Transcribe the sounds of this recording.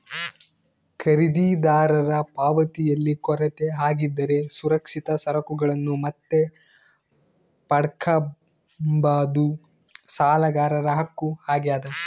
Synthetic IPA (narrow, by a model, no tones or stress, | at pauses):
kʰɐɾid̪id̪aːɾɐɾɐpaːʋɐt̪ijɐlːikɔɾɐt̪eɦaːɡid̪ːɐɾe̞suɾɐkʂit̪ɐsɐɾɐkuɡɐɭɐnːumɐt̪ːe̞ | pɐɽɐkʰɐ | baːd̪u | saːlɐɡaːɾɐɾɐɦɐkːuhaːɡjaːd̪ɐ